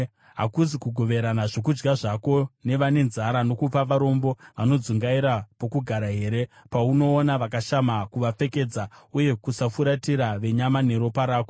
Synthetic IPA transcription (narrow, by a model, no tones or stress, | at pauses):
ɦa̰kuzikuɡʱo̞ʋe̞ɾanaʐok̬ud͡ʒɡaʐako̞ne̞ʋane̞nzaɾano̞kupaʋaɾo̞mbo̞ʋano̞d͡zuŋɡaiɾapo̞kuɡʱaɾaɦe̞ːɾe̞ | pauno̞ːnaʋakaʃamakuʋap͡fe̞ke̞d͡zauje̞kusafuɾatiɾaʋe̞ɲamane̞ɾo̞paɾaːko